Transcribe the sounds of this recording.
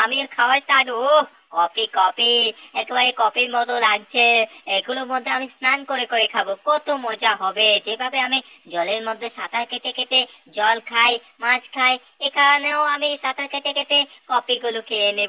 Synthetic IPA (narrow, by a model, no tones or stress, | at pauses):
amikʰaoat̪ano | kɔpikɔpiɛkebaɾɛkɔpiɾmɔt̪olaɡt͡ɕʰeeɡuloɾmod̪ʱːeamisnankoɾekoɾekʰabokɔt̪omod͡ʑaɦɔbed͡ʑebʱabeami | d͡ʑɔleɾmod̪ʱːeʃat̪ʰaket̪eket̪e | d͡ʑɔlkʰaj | mãd͡ʑkʰaj | ekʰaneoamiʃat̪ʰakeʈ̪eket̪ekɔpiɡulokeene